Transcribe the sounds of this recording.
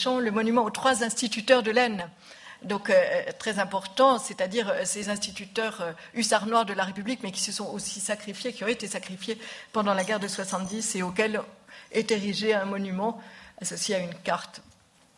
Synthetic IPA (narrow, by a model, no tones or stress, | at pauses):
ʃɑ̃ləmɔnymɑ̃ot̪χwazɛ̃st̪it̪yt̪œʁd̪əlɛn | d̪ɔ̃køt̪χɛzɛ̃pɔʁt̪ɑ̃sɛt̪ad̪iʁøsezɛ̃st̪it̪yt̪œʁø | ysaʁnwaʁd̪əlaʁepyblikmɛkʲi̥səsɔ̃osisakχifjekʲiɔ̃ʁɛet̪esakχifjepɑ̃d̪ɑ̃laɡɛʁd̪əswasɑ̃t̪̚d̪iseokɛlɛt̪eʁiʒeɛ̃mɔnymɑ̃asɔsjeaynkaʁt̪